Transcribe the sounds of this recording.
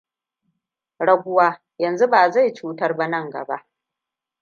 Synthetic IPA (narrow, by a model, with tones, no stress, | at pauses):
ɽɐ˦ɡʷʊ˦waː˦ | jɐ˨nzu˦baː˨za˦˨jt͡ʃuː˦tɐ˦rba˦nɐ˦˨ŋɡɐ̰˨ba̰˦ʔ